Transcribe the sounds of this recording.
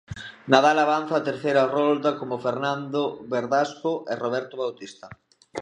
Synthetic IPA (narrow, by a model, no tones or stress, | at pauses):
naðalaβan̟θaːt̪eɾθejɾɐrɔld̪ɐkomofeɾnand̪oβeɾðaskoʔɪroβ̞ɛɾt̪oβawt̪ist̪ɐ